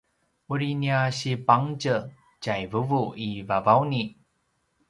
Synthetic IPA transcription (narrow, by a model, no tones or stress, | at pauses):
uɾiniaɕipaŋd͡ʑə | t͡ɕajvəvuivavawni